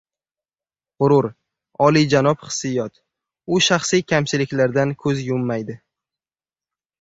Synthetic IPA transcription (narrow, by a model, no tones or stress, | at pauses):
qʊɾʊɾ | ɒlid͡ʒanɒpχɨ̥sːɪjɒt̪ | ʊʃaχsijkʲʰamt͡ʃɪlɪkʲlaɾd̪ankʰɵzjʊmːajd̪ɪ